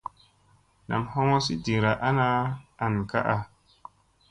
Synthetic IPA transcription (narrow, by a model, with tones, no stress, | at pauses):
na˨mho˦ŋo˦si˦di˨ŋ˨ɾa˨ʔa˦na˦a˨n˨ka̰˦ʔa˨